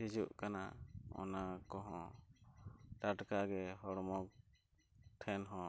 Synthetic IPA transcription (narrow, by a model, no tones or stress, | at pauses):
id͡ʒuʔkanaɔ̰nakɔɦɔ̃ | taʈkaɡɛɦɔɽmɔk̚ | ʈʰɛnɦɔ̃